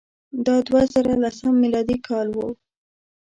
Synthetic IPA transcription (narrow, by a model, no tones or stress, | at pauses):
d̪ɑd̪wazɑɾalasamːilɑd̪ikʰɑlwo